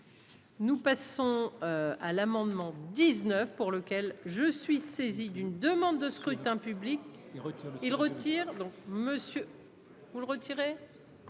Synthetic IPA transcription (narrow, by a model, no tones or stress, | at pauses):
nupasɔ̃øalamɑ̃d̪mɑ̃d̪iznœfpuʁləkʲɛlʒəsɥisezid̪ynd̪əmɑ̃d̪ːəskχyt̪ɛ̃pyblik | ilʁət̪ʰiːʁd̪ɔ̃k̚məsjø | vulʁət̪ʰiʁe